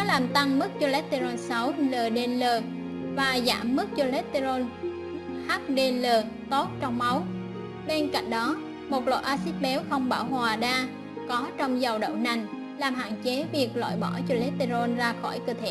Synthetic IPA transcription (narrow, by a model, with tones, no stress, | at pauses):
kɔ˨˦laː˨˩mt̪a˧ŋmɨ˦˥k̚zo˧lɛ˦˥t̚t̪i˧zo˧nsə˨˦wləː˨˩ɗe˧nləː˨˩ | vaː˨˩za̰ː˧˩mːɨ˦˥k̚zo˧lɛ˦˥t̚t̪i˧zo˧n | ha˦˥k̚ɗe˧nləː˨˩ət̪o˦˥t̚t͡ɕɔ˧wŋ͡mma˨˦w | ɓe˧nka̰˧˨jŋ̟ɗɔ˨˦ | mo˨˩t̚lo̰˧˨jʔaː˧si˦˥t̚ɓɛ˨˦wxə˧wŋ͡mɓaː˧˩wɦwaː˨˩ɗaː˧ | kɔ˨˦t͡ɕɔ˧wŋ͡mzə˨˩wɗə̰˧˨wna˨˩jŋ̟ | laː˨˩mha̰ː˧˨nt͡ɕe˨˦vi˨˩ək̚la̰ː˧˨jɓɔ˧˩t͡ɕo˧lɛ˦˥t̚t̪i˧zo˧nzaː˧xɔ˧˩jkɨ˧t̪ʰḛ˧˨